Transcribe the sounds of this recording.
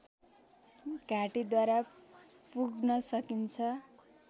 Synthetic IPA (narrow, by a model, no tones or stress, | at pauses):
ɡʱaʈid̪waɾapuɡnʌsʌkint͡sʰʌ